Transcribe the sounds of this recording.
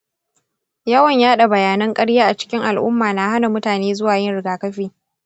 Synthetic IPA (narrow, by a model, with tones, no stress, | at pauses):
jɐ˦wɐ˨ɲjaː˦ɗa˨bɐ˨jaː˨nɐ˦ŋkʼɐ˦ɽjaː˦ʔa˨t͡ʃɪ̥˦kʲɪ˦ŋʔa˨lʔʊ̰˦mːaː˨na˦ha˦na˨mʊ˦taː˨neː˦zʊ˦waː˨jɪ˦nɽɪ˨ɡaː˨kɐ˦ɸiː˦